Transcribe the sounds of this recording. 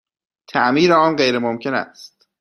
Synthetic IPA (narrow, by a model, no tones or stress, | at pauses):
t̪ʰæʔmiːɾeɒːnɢejɾemomcʰe̞næ̰st̪